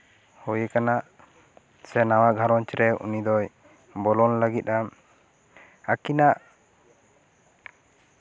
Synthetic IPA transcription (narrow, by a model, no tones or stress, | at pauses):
hujekanaʔ | sɛnawaʔɡʱaɾɔnt͡ʃɾɛṵnid̪ɔj | bɔlɔnləɡit̪̚am | akinaʔ